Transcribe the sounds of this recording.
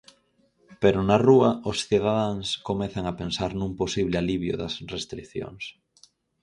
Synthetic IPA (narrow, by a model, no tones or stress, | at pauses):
peɾʊnaruɐʊsθiðaðaŋskomɛθaŋapensaɾnũŋposiβlɪaliβjʊ̰ðɐsrest̪ɾikθjo̰ŋs